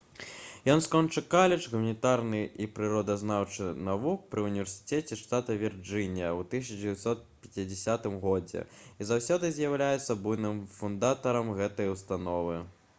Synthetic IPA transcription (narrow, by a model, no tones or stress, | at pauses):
jɔnskɔnt͡ʂɨkalʲɛt͡ʂɣumɐnʲit̪arnɨʔipɾɨɾɔd̪ɐznawt͡ʂɨnavuk̚pɾɨunʲivʲɛrsʲɨ̥t̪ʲɛt͡sʲɛʂt̪at̪ɐvʲird͡ʐɨnʲjɐwt̪ɨs̬ʲɐt͡ʂd͡zʲɪvʲɛɐt̪sɔt̪̚pʲɐt͡sʲid͡zʲɪsʲat̪ɨmɣɔd͡zʲɛ̰izawsʲɔd̪ɨzʲjawlʲajɛt̪sːɐbujnɨmfund̪at̪ɐɾɐmɣɛt̪ɐjwst̪anɔvɨ